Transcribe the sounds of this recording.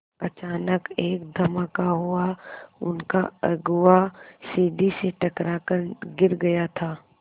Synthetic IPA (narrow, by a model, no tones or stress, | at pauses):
ɐt͡ʃaːnəkeːkd̪ʱɐmakaɦuaʊ̰nkaɐɡʊasiːd̪ʱiseʈɐkɾakəɾɡɪɾɡɐjat̪ʰaː